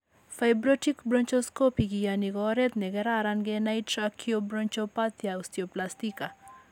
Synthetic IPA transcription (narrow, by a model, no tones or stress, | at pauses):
fajbɾoʈikbɾɔnt͡ʃoskopiɡijaniɡɔɾet̪neɡɛɾaɾanɡenajtɾakʰiobɾont͡ʃopat̪jaust̪ijoplast̪ika